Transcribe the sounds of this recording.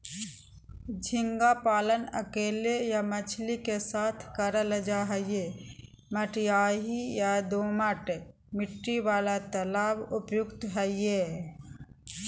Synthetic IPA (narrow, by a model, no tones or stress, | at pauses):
d͡ʒʱɪ̃ŋɡapaːlənəkeːlejamət͡ʃʰlikesaːt̪ʰkəɾələd͡ʒaɦɛɪje | məʈjaːɦijad̪oːməʈ | mɪʈːiwaːlat̪əlaːbʊpjʊkt̪ɦəɪje